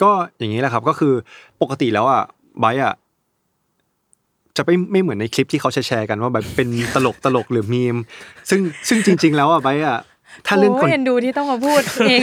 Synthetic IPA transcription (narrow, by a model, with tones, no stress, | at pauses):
kɔː˥˩ja˨˩ŋːiː˦˥la˨˩kʰa˦˥p̚kɔː˥˩kʰɯː˧po˨˩ka˧t̪i˨˩lɛː˦˥wʔa˨˩ | ba˦˥jʔa˨˩ | t͡ɕa˨˩pa˥˩jma˥˩jmɯ˩˦nːa˧jkʰli˦˥p̚t̪ʰiː˥˩kʰwt͡ɕʰa˦˥jt͡ɕʰɛː˧ka˧nwaː˥˩ba˦˥jpe˧nt̪a˧lo˨˩k̚t̪a˧lo˨˩k̚lɯː˩˦miː˧msɯ˥˩ŋsɯ˥˩ŋt͡ɕi˧ŋt͡ɕi˧ŋlɛː˦˥wʔa˨˩ba˦˥jʔa˨˩ | t̪ʰaː˥˩lɯ˥˩ŋko˧e˧nduː˧t̪ʰiː˥˩t̪ɔ˥˩ŋka˧pʰuː˥˩t̪̚eː˧